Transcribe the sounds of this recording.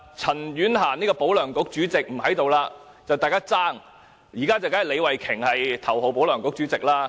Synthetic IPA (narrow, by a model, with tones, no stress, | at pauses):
t͡sʰɐ˨˩nɥyː˨˥nɦaː˨˩niː˥kɔː˧po˨˥wlœː˨˩ŋkʊ˨˥k̚t͡ʃyː˨˥t͡sɪ˨k̚m̩˨˩hɐ˨˥jt̪o˨wlaː˧ | t͡sɐ˨wt̪aː˨jkaː˥t͡saː˥˩ŋ | jiː˨˩kaː˥t͡sɐ˨wkaː˨˥˨le˨˧jwɐ˨˩jkʰɪ˨˩ŋhɐ˨jt̪ʰɐ˨˩who˨˧wpo˨˥wlœː˨˩ŋkʊ˧˥k̚t͡ʃyː˨˥t͡sɪ˨k̚laː˥